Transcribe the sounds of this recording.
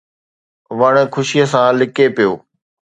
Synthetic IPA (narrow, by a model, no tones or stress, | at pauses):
ʋəɽ̃kʰʊʃiəsãːlɪkepijoː